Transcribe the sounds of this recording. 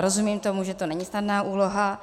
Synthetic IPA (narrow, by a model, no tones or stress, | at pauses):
ɾozumiːmt̪o̞muʒɛt̪onɛɲisnadnaːʔuːloɦa